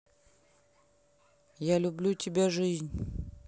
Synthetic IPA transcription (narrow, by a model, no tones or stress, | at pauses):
jalʲʊblʲutʲɪbʲaʐɨzʲnʲ